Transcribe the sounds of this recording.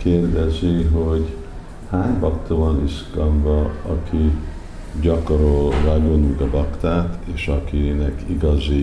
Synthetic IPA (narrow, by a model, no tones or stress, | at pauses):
keːrd̪ɛziɦoɟ | haːɲbɒkt̪ovɒniʃkɒɱvɒɒkʰi | ɟɒkoɾolraɡonuɡɒbɒkt̪aːt̪eːʃɒkinɛkiɡɒzi